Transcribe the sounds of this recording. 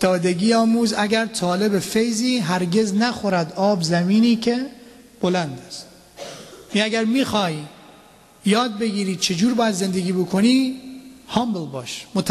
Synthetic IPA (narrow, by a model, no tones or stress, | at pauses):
t̪ʰːɒːd̪eɡiːɒːmuːzæɡæɾt̪ʰɒːle̞befejziːɦæɾɡeznæxoɾæd̪ɒːbzæmiːniːkʰe | b̥olænd̪æst̪ | iæɡæɾmiːxɒːjː | ɒːd̪̚beɡiːɾiːt͡ʃʰed͡ʒuːɾbɒːjæd̪ze̞nd̪eɡʲiːbokʰoniː | hɒːmbelbɒːʃmot̪ʰ